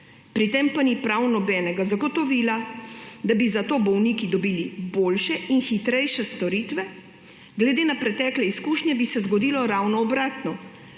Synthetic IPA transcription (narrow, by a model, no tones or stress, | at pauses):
pɾit̪empanipɾawnɔbɛːnɛɡazaɡɔt̪ɔʋiːlad̪abizat̪oːbɔwniːkid̪ɔbiːliboːlʃɛinxit̪ɾɛjʃɛst̪ɔɾit̪ʋɛ | ɡlɛd̪eːnapɾɛt̪ɛːklɛiskuːʃɲʲjɛbisɛzɡɔd̪iːlɔɾawnɔːbɾaːt̪nɔ